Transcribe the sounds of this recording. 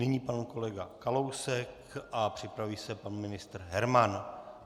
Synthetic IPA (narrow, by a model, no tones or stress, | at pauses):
nɪɲiːpanuko̞lɛɡakalowsɛk | ʔapr̝̥ɪpɾaviːsɛpanmɪnɪst̪r̩ɦɛɾman